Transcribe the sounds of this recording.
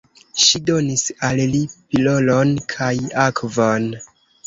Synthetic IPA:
ʃido̞nisallipilo̞lo̞nkʰajakʰvon

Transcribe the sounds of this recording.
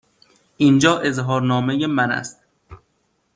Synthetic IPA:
ʔind͡ʒɒːʔe̞zɦɒːɾnɒːmejemænæ̰st̪̚

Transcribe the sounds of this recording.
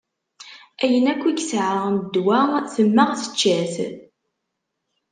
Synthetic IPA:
æjənækʷːiɡsʕaʁnd̪wæθəmːəʁθə̥t͡ʃːæθ

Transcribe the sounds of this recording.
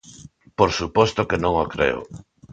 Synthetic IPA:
poɾsupɔst̪okenõŋokɾḛo̰

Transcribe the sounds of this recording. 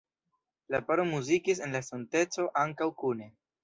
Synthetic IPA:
lapaɾomuzikis̬e̞nlasonte̞t͡so̞ʔaŋkawkune̞

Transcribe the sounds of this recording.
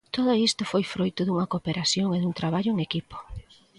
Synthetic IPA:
t̪oðʊist̪ʊfojfɾojt̪ʊðuŋɐkopeɾasjoŋeðuŋt̪ɾaβaʎʊeŋekipo̥

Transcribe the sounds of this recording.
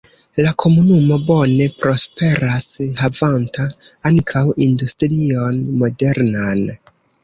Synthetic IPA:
lakʰo̞munumo̞bo̞ne̞pɾo̞spe̞ɾashavantaaŋkʰawindustɾio̞nmo̞de̞ɾnan

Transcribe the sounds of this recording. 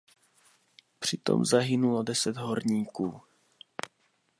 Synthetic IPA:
pr̝̥ɪt̪o̰mzaɦɪnulodɛsɛd̪ɦoɾɲiːkuː

